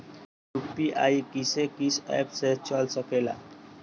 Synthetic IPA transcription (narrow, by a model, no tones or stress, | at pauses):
jukpiʔa̰jkisekisɛ̰pset͡ʃɔlsɔkela̰